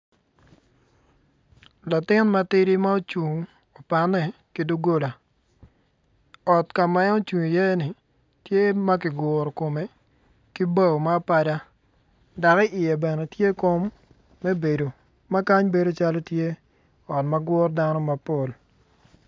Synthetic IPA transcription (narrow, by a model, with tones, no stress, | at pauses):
la˨tɪ˦nma˦tɪ˦ɾi˦ma˦o˦t͡ʃu˨ŋ | o˨pa˨nɛ˨ki˦do˦ɡo˦la˨ | ɔ˨tka˨mɛ˦o˦t͡ʃu˨i˨je˦nɪ˨ | tje˦ma˦kɪ˨ɡʊ˨ɾɔ˨ko˨me˨ | ki˦ba˦˨wma˦pa˨da˦ | da˨kɪ˦ʔɪ˨jɛ˨bɛ˨nɛ˨tje˦ko˦mː | ɛ˦be˨do˨ | ma˦ka˦ɲbe˨do˦t͡ʃa˦lo˦tje˦ | ɔ˨tma˦ɡʊ˦rda˦nɔ˦ma˨po˨l